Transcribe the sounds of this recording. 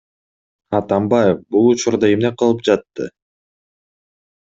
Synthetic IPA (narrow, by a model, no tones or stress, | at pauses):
ɑt̪ɑmbɑjefbulˠut͡ʃuɾd̪ɑe̞mneqɯlˠɯp̚d͡ʒɑt̪ːɯ̰